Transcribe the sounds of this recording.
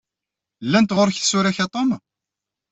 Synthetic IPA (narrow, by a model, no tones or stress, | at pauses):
lːænt̪ʁʊɾçθsʊɾæçat̪ˤom